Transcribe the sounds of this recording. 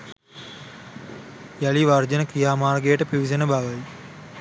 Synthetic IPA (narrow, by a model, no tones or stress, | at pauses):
jaliʋɐrd͡ʒɐnəkɾijaːmaːrɡejəʈəpiʋisɐnəbʱaʋɐji